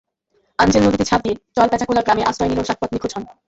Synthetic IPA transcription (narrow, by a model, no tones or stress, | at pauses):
and͡ʑelnod̪it̪et͡ɕʰab̚d̪ied͡ʑɔlpɛt͡ɕʰakulaɾɡɾameʔasɾɔenileoʃak̚pɔt̪nikʰud͡ʑɦɔn